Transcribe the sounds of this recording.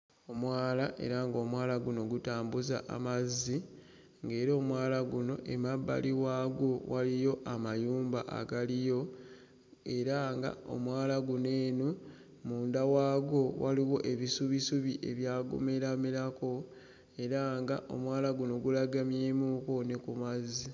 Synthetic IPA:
o̞mwaːlaʔe̞̰ɾaŋɡo̞mwaːlaɡuno̞ɡutaːmbuza̰ʔa̰mazːi | ŋɡe̞ːɾo̞ːmwaːlaɡuno̞̰ʔemabːa̰liwaːɡowalijo̞ʔamajuːmbaʔa̰ɡalijo̞ | e̞ɾaŋɡa̰o̰mwaːlaɡune̞ːnu | muːndawaːɡo̞waliwo̞ʔe̞βisuβisuβiʔeβjaːɡṵme̞ɾamilako̞ | e̞ɾaŋɡa̰ʔo̞̰mwaːlaɡuno̞ɡulaɡamjeːmuko̞nekumazːi

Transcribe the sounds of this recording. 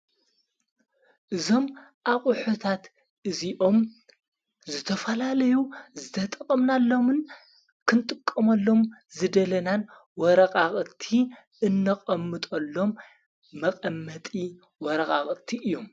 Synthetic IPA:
ʔɨzo̞mʔaχʼʊħut̪ʰat̪ | ʔɨziʔo̞m | zɨt̪ʰɐfɐlalɐjuzɨt̪ʰɐt̪ʼɐχʼɐmnalːo̞mɨn | kʰɨnt̪ʼɨkʼːɐmɐlːo̞mzɨd̪ɐlɐnan | wɔɾɐkʼaχʼt̪ʰi | ʔɨnːɐχʼɐmːɨt̪ʼolːo̞mː | ɐqʼɐmːɐt̪ʼi | wɔɾɐxʼaχʼt̪ʰiʔɨjːo̞m

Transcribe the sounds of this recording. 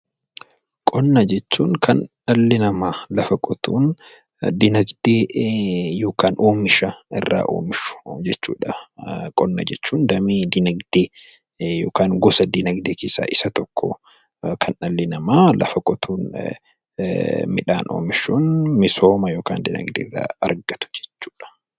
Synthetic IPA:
kʼɔnːɐd͡ʒɛt͡ʃːuːŋkʰɐnː | ɐlːɪnɐmaːlɐfɐkʼɔt̪ʰuːn | d̪ɪnɐɡd̪̥eː | jo̞ːkaːnoːmɪʃɐɪ̰rːa̰ːʔo̰ːmɪʃʊ̥d͡ʒɛt͡ʃːṵːᶑɐkʼɔnːɐd͡ʒɛt͡ʃːuːnd̪ɐmiːd̪ɪnɐɡd̪̥eː | joːkaːŋɡɔsɐd̪ɪnɐɡd̪eːkeːsːa̰ːʔɪsɐt̪ɔkʰːɔ̰ | kʰɐnʔɐlːɪnɐmaːlɐ̰fɐkʼɔt̪ʰuːn | mɪᶑa̰ːnʔo̰ːmɪʃuːnmɪso̞ːmɐjoːka̰ːnd̪ɪnɐ̰ɡd̪ḛːrːa̰ːɐ̰ɾɡɐt̪ʊ̥d͡ʒɛ̥t͡ʃːuːᶑɐ̥

